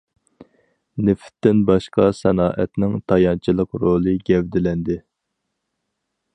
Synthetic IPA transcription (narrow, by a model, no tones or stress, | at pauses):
nɪfɪ̥t̪ːɪnbɑʃqʰɑsɛnɑːʔɛt̪nɪŋt̪ʰɑjɑnt͡ʃʰilˠəqɾolˠɨɡʲɛvd̪ɪlɛnd̪ɪ